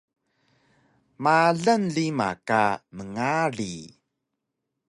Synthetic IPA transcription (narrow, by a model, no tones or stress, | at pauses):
maɮənɮima̰kaməŋarḭ